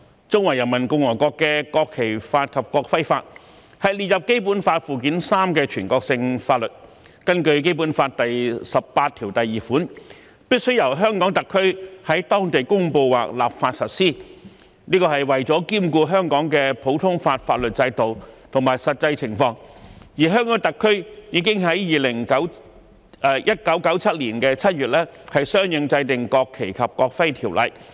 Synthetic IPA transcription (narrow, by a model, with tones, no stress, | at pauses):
t͡sʊ˥ŋwɐ˨˩jɐ˨˩nmɐ˨˩nkʊ˧ŋwɔː˨˩jkɔː˧kːɛː˧kɔː˧kʰːe˨˩jfaː˧t̚kʰɐ˨p̚kɔː˧k̚fɐ˥jfaː˧t̚ | hɐ˨jliː˨t̚jɐ˨p̚ke˥jp̬uː˨˥nfaː˧t̚fuː˨˩k̬iː˨˥nsaː˥mkɛː˧t͡ʃʰyː˨˩nkɔː˧k̚sɪ˧ŋfaː˧t̚lɵ˨t̚ | kɐ˥nkɵ˧ɥk̬e˥jp̬uː˨˥nfaː˧t̚t̪ɐ˨jsɐ˨ppːaː˧t̪̚ʰiː˨˩wt̪ɐ˨jːiː˨˩fuː˨˥n | piː˥t̚sɵ˥ɥjɐ˨˩wɦœː˥ŋkɔː˨˥ŋt̪ɐ˨kʰːɵ˥hɐ˨˥jt̪ɔː˥ŋt̪e˨jkʊ˥ŋpo˧wwa̰ː˨˩k̚la̰ː˨p̚faː˧t̚sɐ˨t̚siː˥ | niː˥kɔː˧ɦɐ˨jwɐ˨jt͡sɔː˨˥kiː˥mkuː˧ɦœː˥ŋkɔː˨˥ŋkɛ˧pʰo˨˥wt̪ʰʊ˥ŋfaː˧t̚fa̰ː˧t̚lɵ˨t̚t͡sɐ˧jt̪o˨wt̪ʰʊ˨˩ŋmaː˨˩jsɐ˨t̚t͡sɐ˧jt͡sʰɪ˨˩ŋfɔː˧ŋjiː˨˩ɦœː˥ŋkɔː˨˥ŋt̪ɐ˨kʰːɵ˥ɥjiː˨˧˥kɪ˥ŋɦɐ˨˥jjiː˨lɪ˨˩ŋkɐ˨˥w | jʔɐ˥t̚kɐ˨˥wkɐ˨˥wt͡sʰɐ˥t̚liː˨˩nkɛː˧t͡sʰɐ˥t̚ɥyː˨t̚lɛ˥hɐ˨jsœː˥ŋjɪ˨˧ŋt͡sɐ˧jt̪ɪ˨ŋkɔː˧kʰːe˨˩jkʰɐ˨p̚kɔː˧k̚fɐ˥jt̪ʰiː˨˩wlɐ̰˨j